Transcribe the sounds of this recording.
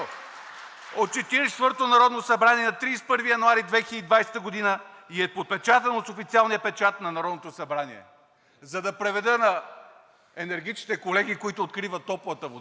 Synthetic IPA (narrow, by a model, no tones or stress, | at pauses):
ot̪̚t͡ʃɛt̪iɾɛɛ̥t̪vɤɾt̪onɐɾɔd̪nosɐbɾaniɛnɐt̪ɾiːspɤɾvijɐnuaɾid̪vɛxid̪id̪vajsɛ̥t̪əɡod̪inəiɛpot̪̚pɛt͡ʃat̪ənosofit̪sialˠnijəpɛt͡ʃat̪nɐnɐɾɔd̪not̪osɐbɾaniɛ̰ | zɐd̪ɐpɾɛvɛd̪ənɐ | ɛnɛɾɡ̟it͡ʃnit̪ɛkolɛɡ̟ikoit̪ʊːt̪kɾivət̪ːɔpvət̪əvo